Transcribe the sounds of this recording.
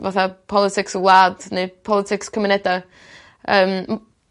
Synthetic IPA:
vaθapʰɔlˠɪtʰɪksɡwlˠaːdnepʰɔlˠɪtʰɪkskʰəmɪnɛda | əːm

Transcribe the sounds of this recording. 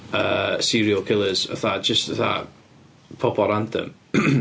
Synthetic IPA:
əːsiɾiəlˠkʰɪlˠəz̥ə̰θad͡ʒəstəθa | pʰɔbɔɾantʰə̰m

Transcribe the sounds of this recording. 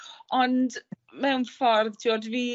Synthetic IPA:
ɔnd | mɛwnfɔrðtʰiɔdviː

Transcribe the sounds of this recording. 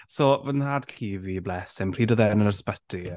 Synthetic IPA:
sovənhadkʰiːviblɛsɪŋpʰriːdəðɛnənəspətʰi

